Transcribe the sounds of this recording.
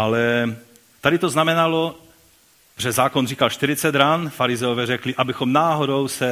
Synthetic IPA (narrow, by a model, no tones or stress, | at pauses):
ʔalɛ | t̪adɪt̪oznamɛnalo | pɛzːaːkonriːkalʃt̪ɪɾɪt͡sɛd̪ɾanfaɾɪzɛovɛːrɛklɪʔabɪxomnaːɦodowsɛ